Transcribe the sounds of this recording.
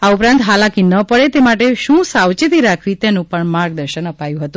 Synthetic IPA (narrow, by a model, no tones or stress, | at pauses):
aupɾãnt̪ɦalakinəpəɭet̪emaʈeʃũsawt͡ʃit̪iɾakʰʋit̪enũpəɳmaɾɡ̚d̪əɾʃənəpajũɦət̪ũ